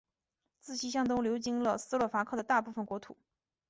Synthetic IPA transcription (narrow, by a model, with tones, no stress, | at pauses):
t͡sɹ̩˥˩ɕi˥ɕjɑ˥˧ŋt̪̬ʊ˥ŋljo˧˥ʊt͡ɕi˥ŋlə˧sɹ̩˥lɔ˥˩fa˧˥kʰɤ˥˩d̪ə˩t̪a˥˧pu˥˩fə˩nkwɔ˧˥t̪ʰṵ˨˩˦